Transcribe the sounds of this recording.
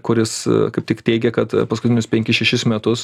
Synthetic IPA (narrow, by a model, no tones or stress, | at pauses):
kʊɾʲɪskɐɪptʲɪkt̪ʲɛɪɡʲɛkɐt̪pɐskʊtʲɪnʲʊspʲɛŋʲkʲɪsʃʲɛʃʲɪsmʲɛt̪ʊs